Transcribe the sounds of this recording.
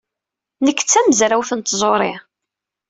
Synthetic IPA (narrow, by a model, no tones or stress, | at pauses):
nəkːt͡sːæməzɾawθənt̪zˤoɾˤɪ